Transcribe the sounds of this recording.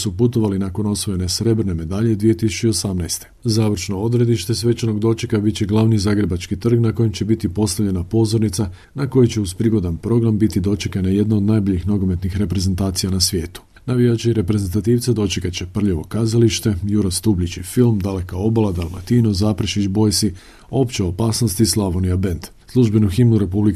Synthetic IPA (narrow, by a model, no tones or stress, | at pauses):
suput̪o̞ʋalinako̞no̞sʋoje̞ne̞sɾe̞bɾne̞me̞d̪aʎed̪ʋijet̪isut͡ʃio̞samnajst̪e̞̥zaːʋɾ̩ʃno̞o̞d̪ɾe̞d̪iʃt̪e̞sʋe̞t͡ʃano̞ɡd̪o̞t͡ʃikabit̪t͡ɕeɡlˠaʋnizaːɡɾe̞bat͡ʃkit̪r̩ɡnako̞jemt͡ɕe̞bit̪ipo̞st̪aʋʎe̞napo̞zo̞ɾnit̪sa | nako̞jut͡ɕe̞uzpɾiɡo̞d̪anpɾo̞ɡɾambit̪id̪o̞t͡ʃekanaje̞d̪nao̞d̪najbo̞ʎixnoɡo̞me̞t̪nixɾe̞pɾe̞ze̞nt̪aːt̪sijanasʋje̞ːt̪u̥ | naʋiat͡ɕeiɾe̞pɾe̞zent̪at̪iːʋt̪sed̪o̞t͡ʃekat̪t͡ɕe̞pr̩ʎeʋo̞kazaliʃt̪e̞juɾost̪ublit͡ɕifilˠmd̪ale̞kao̞balad̪alˠma̰t̪ino̞zaːpɾʃit͡ʃbo̞jsi | o̞ːpt͡ʃeopaːsno̞st̪islˠaʋo̞niabe̞nd̪ | slˠuʒbe̞nuximnuɾe̞publi